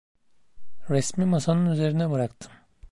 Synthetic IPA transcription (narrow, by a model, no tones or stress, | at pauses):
ɾɛsmimasanɯnyze̞ɾinɛbɯɾakt̪ʰɯ̥m